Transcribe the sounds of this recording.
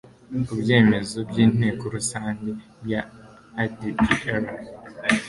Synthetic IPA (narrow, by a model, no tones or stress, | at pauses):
kubje̞ːme̞zo̞bɟiːn̥e̞ːkoɾusaːɲde | ja | adieɾa